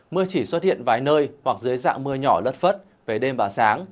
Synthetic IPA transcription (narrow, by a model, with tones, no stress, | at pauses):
mɨ˧ət͡ɕi˧˩swə˦˥t̚hḭ˧˨ənvaː˨˦jnəː˧jhwa˨˩k̚zɨ˨˦əjza̰ː˧˨ŋmɨ˧əɲɔ˧˩lə˦˥t̚fə˦˥t̚ | ve˨˩ɗe˧mɓaː˨˩saː˨˦ŋ